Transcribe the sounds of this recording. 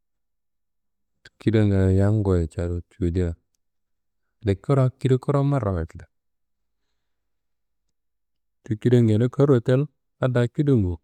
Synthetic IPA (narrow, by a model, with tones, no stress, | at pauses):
tu̥˨ki˦de˦ŋe˨ja˦ŋɡo˨je˨t͡ʃa˨ɾo˨tu˨di˦a˨ | de˨kːo˦ɾo˦ki˦de˦ko˦ɾo˦ma˦ɾa˨me˨tda˨ | tu˨ki˦de˦ŋe˨ne˦ka˦ɾo˨te˦l | a˦da˨ki˦du˦ŋɡo˨